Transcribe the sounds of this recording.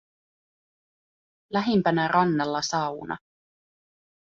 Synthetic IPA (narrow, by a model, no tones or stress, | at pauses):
læɦimpænærʔɑnːɑlːɑsɑwnʔɑ̰